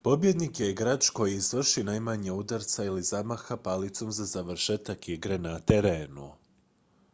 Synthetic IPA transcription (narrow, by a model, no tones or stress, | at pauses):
po̞bje̞d̪nikjeɡɾaːt͡ʃko̞jiːzʋr̩ʃinajmaɲeud̪aɾt̪sailizamaxapalit̪so̞mzazaʋr̩ʃet̪akiɡɾe̞nat̪eɾe̞ːnṵ